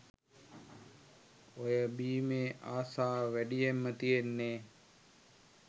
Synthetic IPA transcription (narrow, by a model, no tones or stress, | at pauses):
ojəbiːmeːʔaːsaːʋæɖijemːət̪ijenːeː